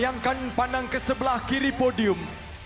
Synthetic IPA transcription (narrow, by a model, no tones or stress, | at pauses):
jaŋkanpanaŋkəsəbəlahkiɾipodiʊm